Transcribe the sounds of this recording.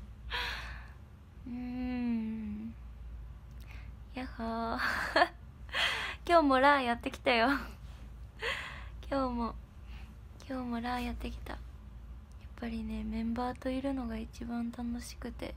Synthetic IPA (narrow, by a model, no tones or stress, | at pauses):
ɯ̟̃ | jaha | kʲo̞ːmo̞ɾaːjat̪ːe̞kʲi̥t̪ajo̞ | kʲʰo̞ːmo̞ | kʲʰo̞ːmo̞ɾaːjat̪ːe̞kʲi̥t̪a̰ | japːaɾʲine̞mẽ̞mbaːt̪o̞iɾɯ̟no̞ɡait͡ɕibãnt̪ano̞ɕi̥kɯ̟t̪e̞̰